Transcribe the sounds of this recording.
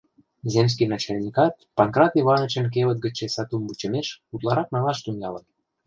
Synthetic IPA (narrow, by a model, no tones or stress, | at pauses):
zems̬kijnɑt͡ɕɑlʲnʲikɑt̪̚pɑnkrɑt̪iβɑnət͡ɕə̆nk̬eβət̪̚ɡə̆t͡ɕesɑt̪unbut͡ɕə̆meʃut̪lɑɾɑknɑlɑʃt̪unj̪ɑlən